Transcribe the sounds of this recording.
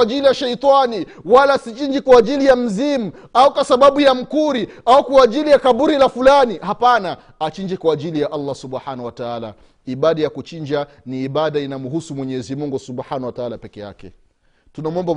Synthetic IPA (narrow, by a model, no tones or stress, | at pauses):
ʄilijaʃɛjt̪ˤani | walasit͡ʃind͡ʒikwaːʄilijam̩zimu | aukwasaɓaɓujam̩kuɾiaukwaːʄilijakaɓuɾilafulanihapana | at͡ʃiɲd͡ʒɛkwaːʄilijaʔalːasuɓħanawataala̰ | iɓaɗajakut͡ʃind͡ʒa | niːɓaɗainamuɦusumwɛɲɛzimuŋɡusuɓħanawataalapɛkɛja̰kɛ̰ | tunamuɔmba